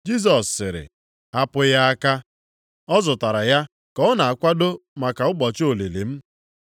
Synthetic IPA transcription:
d͡ʒi˦s̬ɔ˨sːɪ˨ɾɪ̰˨ | a˦pʊ˦ja˦a˦ka˦ | ɔ˦zʊ˨ta˨ɾa˨ja˦ | kɔ˨ɔ˦na˨a˨kʷa˦do˦ma˨ka˨ʊ˦ɡ͡bɔ˨t͡ʃo˨le˨lḛ˨m̩˦

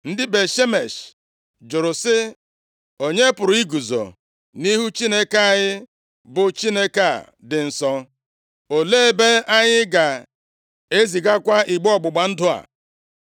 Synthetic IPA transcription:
n̩˦dɪ˦be˨ʃe˦me˨ʃ | d͡ʒʊ˨ɾʊ˨sɪ˦ | o˨ɲe˦pʊ˨ɾʊ˨i˦ɡu˨zo̰˨ | ni˦ɦu˦t͡ʃi˦ne˦ka˦a˦˨ɲɪ˦ | bʊ˨t͡ʃi˦ne˦ka˨ | dɪ˨n̩˨sɔ˦ | o˨le˦e˦be˦a˦ɲɪ˦ɡa˨ | e˦zi˨ɡa˦kʷa˦i˨ɡ͡bɔ˨ɡ͡bʊ˨ɡ͡ba˨n̩˦dʊ˦a̰˨

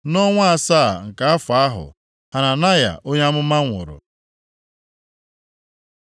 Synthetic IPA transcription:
nɔ˦ŋʷa˦a˨sa˦˨ŋ̩˨ka˦a˦fa˨a˦ɦʊ̰˨ | ha˨na˨na˦ja̰˨ʔo˦ɲ˦a˦mʊ˦ma˦ŋʷʊ̰˨ɾʊ̰˨

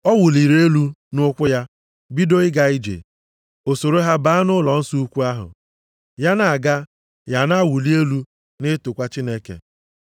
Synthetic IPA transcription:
ɔ˦wʊ˨li˨ɾe˦lu˦nʊ˦kʷʊ˦ja˦ | bi˦do˦ɪ˦ɡa˦i˦d͡ʒḛ˨ | o˨so˨ɾo˦ɦa˦ba˨˦a˦nʊ˦lɔ˨n̩˦su˦u˦kʷu˦a˦ɦʊ̰˨ | ja˦na˨a˨ɡa˦ | ja˨na˦wu˨li˦e˦lu˦ | nɪ˦tʊ˨kʷa˦t͡ʃi˦ne˦kḛ˨

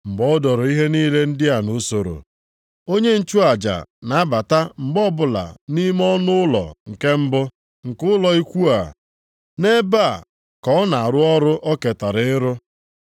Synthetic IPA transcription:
ŋ͡m̩˨ɡ͡bɔ˦ʊ˦dɔ˨ɾɔ˨i˦ɦe˦niː˦le˦n̩˦dɪ˦a˨no˦so˨ɾo̰˨ | o˦ɲe˦n̩˦t͡ʃu˦a˨d͡ʒa̰˨na˨a˦ba˨ta˦m̩˨ɡ͡bɔ˦bʊ˦˨la̰˨ni˦m˦ɔ˦nʊ˦ʊ˦lɔ̰˨ŋ̩˨ke˦m̩˦bʊ˦ | ŋ̩˨kʊ˦lɔ˨i˦kʷu˦a˨ | ne˦ba˦˨ | kɔ˦na˨a˨ɾʊ˦ɔ˦ɾʊ˦ʔɔ˦ke˨ta˨ɾɪ˦ɾʊ˦

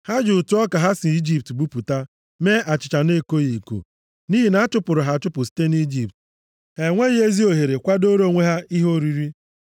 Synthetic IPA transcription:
ha˦d͡ʒʊ˨ʊ˨tʊ˨˦ɔ˦ka˨ɦa˦si˨i˦d͡ʒi˦p̚tbu˦pu˨ta˦ | me˦ʔa˨t͡ʃɪ˨t͡ʃa˨ne˦ko˦ɣi˨ko̰˨ | ni˦ɦi˨na˦a˦t͡ʃʊ˦pʊ˨ɾʊ˨ɦa˨t͡ʃʊ˦pʊ˨si̥˦te˦ni˦d͡ʒi˨p̚t | e˨ŋʷe˦ɣe˦zi˦o˨ɦe˨ɾe˨kʷa˦do˦ɾo˦˨ŋʷe˦ɦa˦i˦ɦo˦ɾi˦ɾi˦

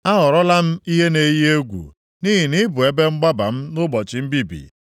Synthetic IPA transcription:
a˦ɦɔ˨ɾɔ˦la˦m̩˦i˦ɦe˦ne˨˦je˦ɡʷṵ˨ | ni˦ɦi˨ni˦bʊ˨e˦be˦ŋ͡m̩˦ɡ͡ba˦ba˨m̩˦nʊ˦bɔ˨t͡ʃɪ˨m̩˦bi˦bḭ˨

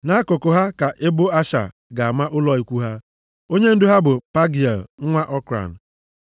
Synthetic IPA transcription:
na˦kʊ˨kʊ˨ɦa˦ka˨ʔɪ˦bʊ˦a˦ʃa̰˨ | ɡa˨a˨ma˦ʔʊ˦lɔ˦i˦kʷu˦ɦa˦ | o˦ɲe˦n̩˦dʊ˦ɦa˦bʊ˨pa˦ɡi˨a̰˨lŋ̩˦ŋʷa˦ʔɔ˦kɾa̰˨n̩˨

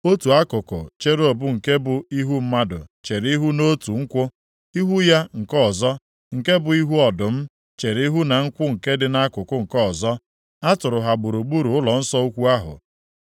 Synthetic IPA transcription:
o˦tu˨a˦kʊ˨kʊ̰˨t͡ʃe˦ɾo˨bʊ˦ŋ̩˨ke˦bʊ˨i˦ɦu˦m̩˦ma˦dʊ̰˨t͡ʃe˨ɾi˦ɦu˦no˦tu˨ŋ̩˦kʷʊ˦ | i˦ɦu˦ja˦ŋ̩˨kɔ˦˨zɔ˦ | ŋ̩˨ke˦bʊ˨i˦ɦu˦ɔ˨dʊ˨m̩˦ | t͡ʃe˨ɾi˦ɦu˦na˨ŋ̩˦kʷʊ˦ŋ̩˨ke˦dɪ˨na˦kʊ˨kʊ˦ŋ̩˨kɔ˦˨zɔ˦ | a˦tʊ˨ɾʊ˨ɦa˨ɡ͡bu˨ɾu˨ɡ͡bu˦ɾu˨ʊ˦lɔ˨n̩˦sɔ˦u˦kʷu˦a˦ɦʊ̰˨

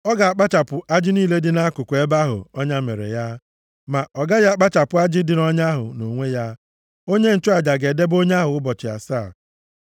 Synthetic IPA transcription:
ɔ˦ɡa˨a˨k͡pa˦t͡ʃa˨pʊ˨ʔa˦d͡ʒɪ˦niː˦˨le˦dɪ˨na˦kʊ˨kʷe˦ba˦ɦʊ̰˨ɔ˦ɲa˦mḛ˨ɾḛ˨ja˦ | ma˨ʔɔ˨ɡa˦ja˦a˦k͡pa˦t͡ʃa˨pʊ˨a˦d͡ʒɪ˦dɪ˨nɔ˦ɲa˦ɦʊ̰˨no˨ŋʷe˦ja˦ | o˦ɲe˦n̩˨t͡ʃʊ˦a˨d͡ʒa˨ɡe˨de˦bo˦ɲe˦a˦ɦʊ˨ʊ˦bɔ˨t͡ʃɪ˨a̰˨saː˦˨

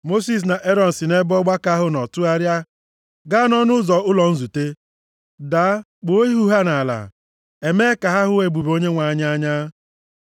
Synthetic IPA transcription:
mo˦s̬i˦˨s̬na˨ʔe˦ɾɔ˨n̩˨si˨ne˦bɔ˦ɡ͡ba˦ka˦ɦʊ˦nɔ˨tʊ˦a˦ɾja˦ | ɡa˦nɔ˦nʊ˦zɔ˨ʊ˦lɔ˨n̩˦zu˨te˦ | da˨˦ | ɡ͡bo˨o˦i˦ɦu˦ɦa˦na˨la̰˨ | e˨me˦ka˨ɦa˦ɦʊ˦we˨ɡ͡bu˨bo˦ɲe˦ŋʷa˨ɲa˦a˦ɲa˦

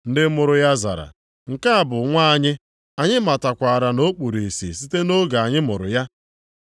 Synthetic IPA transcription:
n̩˦dɪ˦mʊ˨ɾʊ˨ja˦za̰˨ɾa̰˨ | ŋ̩˨ka˦a˦˨bʊ˨ŋʷa˦a˦ɲɪ˦ | a˨ɲɪ˦ma˨ta˨kʷa˨ɾa˨no˦k͡pu˨ɾi˨sḭ˨si˦te˦no˦ɡa˨a˨ɲɪ˦mʊ˨ɾʊ̰˨ja˦

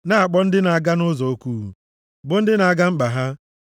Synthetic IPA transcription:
na˦a˨k͡pɔ˦n̩˦dɪ˦na˨a˨ɡa˦nʊ˦zɔ˨o˦kʷu˦˨ | bʊ˦n̩˦dɪ˦na˨a˨ɡa˦ŋ͡m̩˦k͡pa˨ɦa˦

